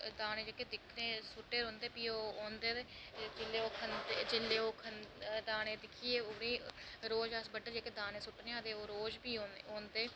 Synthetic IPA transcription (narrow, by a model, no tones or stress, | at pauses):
d̪aːñeːd͡ʒekeːd̪ɪkʰneːsʊʈːeːɾõːnd̪eːpiːoːoːnd̪eːd̪eː | d͡ʒɪleːoːkʰənd̪ed͡ʒɪlːeːoːkʰənd̪aːɽẽːd̪ɪkʰiːeːoɽĩːɾoːd͡ʒəsbəɖəɾd͡ʒeːkeːd̪aːnẽːsʊʈneːãːd̪eːoːɾoːd͡ʒbiːoːõːnd̪eː